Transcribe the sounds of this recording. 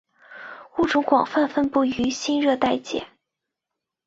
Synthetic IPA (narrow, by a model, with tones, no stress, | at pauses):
u˥˩ʈ͡ʂʊ˧˥ŋkwɑ˨˩ŋfa˥˧nfə˥˧npu˥˩y˧˥ɕi˥nɻɤ˥˧t̪a˥˧ɪt͡ɕjɛ̰˨˩˦